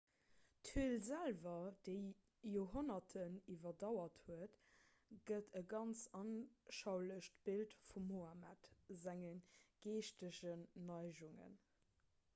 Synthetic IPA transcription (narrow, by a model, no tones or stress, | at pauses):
tʰyəlzælvɐd̥əɪ | joːɦonɐtʰənivɐdɑʊɐthuət | ɡ̥ətʰəɡɑnt͡sɑnʃɑʊləʃtb̥iltfumːoamætzæŋənɡ̥eːʃtəʃənːɑɪʒuŋə̰n